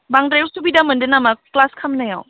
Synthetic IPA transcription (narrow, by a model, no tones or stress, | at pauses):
baŋdɾewstubidamɯndɯnamaklaskʰɐmnaja̰w